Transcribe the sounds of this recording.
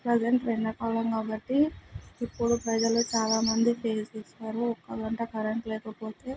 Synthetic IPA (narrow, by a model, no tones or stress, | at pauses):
pɾɐd͡ʒeɳʈɾenːɐkaːlɐmkaːbɐʈːiipːuɽupɾɐd͡ʒɐlut͡ʃaːlaːmɐnd̪ipʰeːt͡ʃeːsaːɾuɔkːɐɡɐɳʈɐkɐɾɐɳʈlɛːkɐpo̞ːt̪e̞ː